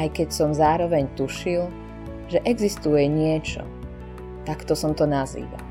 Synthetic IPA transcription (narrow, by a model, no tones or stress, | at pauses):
ajkɛcsɔmzaːɾɔʋɛɲt̪uʃil | ʒɛʔɛɡzist̪ujɛɲɪɛt͡ʃɔ̰ | t̪akt̪ɔsɔmt̪ɔnazḭːʋa̰l